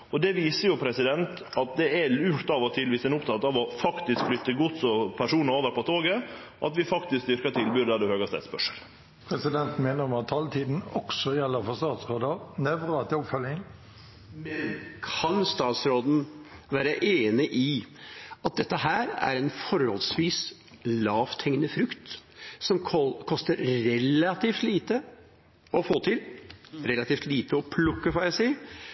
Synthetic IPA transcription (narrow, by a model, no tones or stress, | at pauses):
ɔd̪ɛʋiːsəɾjʊpʰɾɛsɪd̪ɛnt̪ | ɑt̪̚d̪ɛɛlʉːt̪ɑʋɔt̪ʰɪlʋisɛnʊpt̪ʰɑt̪ɑʋɔfɑkt̪ɪskflʏt̪ːəɡʊt̪sɔpʰæʂuːnəoːʋəɾpɔt̪ʰoːɡə | ʔɑt̪ʋɪfɑkt̪ɪsk̚d̪ʏɾkɑt̪ʰɪlbyːɾd̪æd̪ʉhøːɡɑst̪ɛ̰t̪spœʂəl | pʰɾɛsɪd̪ɛnt̪meːnəɾmɑt̪ʰːɑlt̪ʰiːd̪n̩ɔksɔjɛlːəɾfɔst̪ɑːt̪sɾoːd̪ənɛʋɾət̪ʰɪɔpfœlɪŋ | mɛnkʰɑnst̪ɑːt̪sɾoːd̪n̩ʋæːɾəʔeːnəʔɪ | ɑt̪̚d̪ɛt̪ːəɦæːɾæ̰ɾɛnfɔɾhɔlsʋiːs | lɑːft̪ʰɛŋnəfɾʉkt̪sɔmkʰɔst̪əɾɾɛlɑt̪iːft̪liːt̪ə | ɔfoːt̪ʰɪlɾɛlɑt̪iːft̪liːt̪ʰəɔpʰlʊkːəfɔjæsiːə